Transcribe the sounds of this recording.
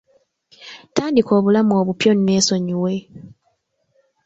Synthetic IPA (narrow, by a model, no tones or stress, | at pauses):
taːndiko̞ːβulamuo̞ːβupjo̞nime̞ːso̞ɲiwe